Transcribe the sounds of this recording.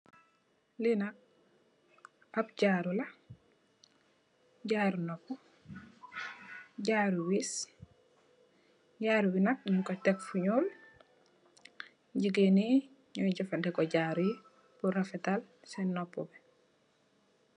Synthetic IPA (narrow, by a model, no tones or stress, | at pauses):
linak̚ | apɟaɾula | ɟaɾunopːu | ɟaːɾuwis | ɟaːɾubinak̚ɲiŋkotɛkfuɲoːl | ɟiɡeni | ɲɔɟɔfandɛkɔɟaːɾuji | puɾafɛtalsɛnːopːṵbɛ